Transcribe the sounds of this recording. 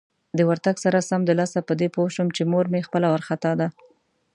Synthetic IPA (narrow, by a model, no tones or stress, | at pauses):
d̪əwaɾt̪aɡsaɾasamd̪əlɑsapəd̪epoʃəmt͡ʃemoɾmexpəlawaɾxat̪ɑd̪a